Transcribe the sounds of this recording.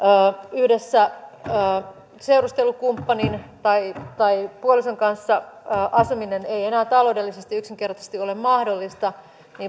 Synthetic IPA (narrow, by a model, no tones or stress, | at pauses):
ʔəːyhde̞sːæː | se̞wrust̪e̞lukumpːɑnint̪ɑit̪ɑipuolisoŋkɑnsːɑːʔɑsumineneienæːt̪ɑlo̞udelːisest̪iyksiŋk̟e̞rt̪ɑse̥st̪io̞lemmɑhdo̞lːist̪ɑ | niː